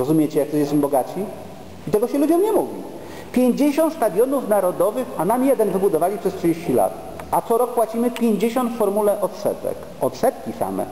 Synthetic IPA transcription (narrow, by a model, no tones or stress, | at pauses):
ɾɔzumʲjɛt͡ɕɛjak̚t̪ɔɕjɛsɛmbɔɡat͡ɕi | it̪ɛɡɔɕɛlud͡ʑɔ̃mɲɛmuvʲḭ | pʲjeɲd͡ʑeɕɔ̃nt̪st̪ad̪jɔnufnaɾɔd̪ɔvɘxanamʲijɛd̪ɛnvɘbud̪ɔvalʲipʂɛstʂɘd͡ʑeɕt͡ɕila̰t̪ | at̪sɔɾɔk̚pwat͡ɕimɘpʲjeɲd͡ʑeɕɔ̃nt̪fɔɾmulɛʔɔt̪sɛ̰t̪ɛ̰k | ɔt̪sɛt̪kʲisa̰mɛ̰